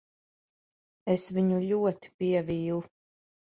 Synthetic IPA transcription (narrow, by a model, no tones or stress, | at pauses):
esviɲuʎʲuɔt̪i̥piɛviːlˠu